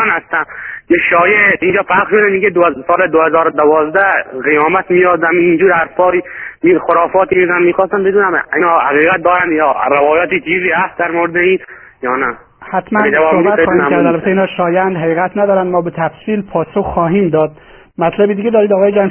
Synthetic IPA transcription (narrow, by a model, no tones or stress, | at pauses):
nhast̪ænkeʃɒːjeiːnd͡ʒɒːpʰaʃod̪æniɡed̪sɒːled̪ohezɒːɾod̪avɒːzd̪æʁijɒːmæt̪mijɒd̪amiːnd͡ʒuːɾaɾsɒːɾimixoɾɒːfɒːt̪iizanmiːxɔːst̪anbed̪uːnæminɔhaɣiːɣat̪̚d̪ɒːɾand̪jɒːɾavɒːjɒːt̪it͡ʃʰiːziːhæst̪d̪æɾmoɾed̪ei | jɒːnæ | hæt̪mænd͡ʒasobæt̪xɒːhimkʰæɾd̪ælbæt̪ʰeiːnhɒːʃɒːjænd̪ɦæɣiːɣæt̪næd̪ɒːɾænd̪mɒːbet̪ʰæfsiːlpʰɒːsoxːɒːɦiːmd̪ɒːd̪̥̚ | mæt̪ʰlæbid̪iɡed̪ɒːɾid̪ɒːɣɒːjed͡ʒæn